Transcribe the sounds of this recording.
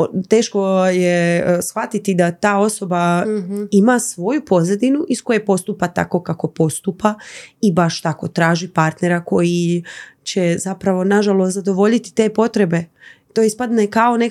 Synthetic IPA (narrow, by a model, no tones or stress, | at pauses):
t̪e̞ːʃko̞jesxʋat̪it̪id̪at̪aːo̞so̞ba | imasʋo̞jupo̞zed̪inuʔisko̞jepo̞st̪upat̪a̰ko̞kako̞po̞st̪upaibaʃt̪ako̞t̪ɾaːʒipaɾt̪ne̞ɾako̞jit͡ɕezapɾaʋo̞naʒalozad̪o̞ʋo̞ʎit̪i̥t̪e̞ːpo̞t̪ɾe̞be̞t̪oːispad̪nekao̞ne